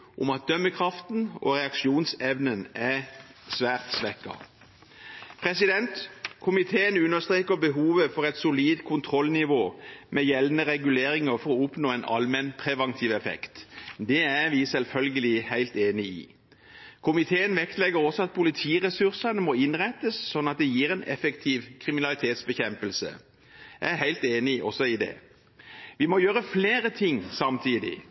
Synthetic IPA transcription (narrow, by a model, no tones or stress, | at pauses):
ʔʊ̰mɑt̪̚d̪œmːəkʰʁɑft̪n̩ɔ̰ʁɛɑkʃuːnsɛʋnənæsʋæːʁt̪sʋɛkːɑ̰ | pʰʁɛsɪd̪ɛnt̪kʰʊmɪt̪ʰeːənʉnːəst̪ʁeːkəbəɦuːʋəfɔʁɛt̪sʊliːd̪kʰʊnt̪ʰʁɔlːnɪʋoːmɛjɛlnəʁɛɡʉleːɾɪŋəʁfɔʁɔʊpnoːɛnʔɑ̰lmɛnpʰʁɛʋɑnt̪ʰiːʋɛfɛ̰kt̪d̪ɛæʁʋisɛlfœlɡəlɪhæɪlt̪eːnɪɪ̰ː | kʰʊmɪt̪ʰeːənʋɛkt̪lɛɡəʁɔsɔɑt̪̚pʰʊlɪt̪ʰiːʁɛsʉʁsɑnəmɔɪnʁæt̪ːəsːɔnːɑt̪̚d̪ɛjiːʁɛnɛ̰fəkt̪ʰiːʋkʰʁɪmɪnɑlɪt̪ʰeːt̪sbəçɛmpəlsə̰ | jɑæhæɪlt̪eːnɪʔɔsɔɪd̪ɛ̰ | ʋɪmɔjøːɾəfleːɾət̪ʰɪŋːsɑmt̪ʰiːd̪ɪ̰